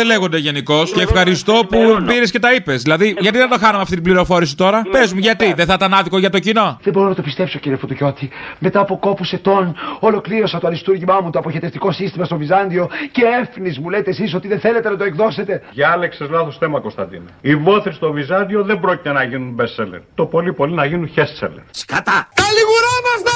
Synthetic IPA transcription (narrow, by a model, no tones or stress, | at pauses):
ele̞ɣond̪eʝe̞niko̞sceːfxɐɾist̪o̞pupiɾesce̞t̪ɐipe̞zðilɐðiʝɐt̪iðend̪oxɐnɐmeɐft̪it̪ibliɾo̞fo̞ɾisi̥t̪o̞ɾɐpe̞zmuʝɐt̪iðeθɐt̪ɐnɐðikoʝɐt̪o̞cino̞ðebo̞ɾonɐt̪opist̪e̞psociɾiefot̪oʝo̞t̪ime̞t̪ɐːpoko̞puse̞t̪o̞nolo̞kliɾo̞sɐt̪oɐlist̪uɾʝimɐmut̪oɐpoçet̪eft̪iko̞sist̪imɐst̪o̞vizɐnd̪io̞ce̞efnizmule̞t̪esis̬o̞t̪iðeθe̞le̞t̪e̞nɐt̪oekðo̞se̞t̪e̞ʝɐɐleksezlɐθost̪emɐkost̪ɐnd̪ḭnɐivoθest̪o̞vizɐnd̪io̞ðembɾo̞cit̪enɐʝinunbeselḛɾt̪o̞po̞lipolinɐʝinunçest͡sḛlḛɾskɐt̪ɐkɐliɣuɾɐmɐst̪ɐ